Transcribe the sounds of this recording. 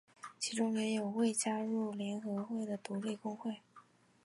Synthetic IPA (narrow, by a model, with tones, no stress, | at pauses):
t͡ɕʰi˧˥ʈ͡ʂʊ˥ŋjɛ˧˥jo˨˩ʊwe˥˩ɪt͡ɕja˥ɻu˥˩ljɛ˧˥nxɤ˧˥xwe˥˩ɪd̪ə˩t̪u˧˥le˥˩ɪkʊ˥ŋxwe˥˩ɪ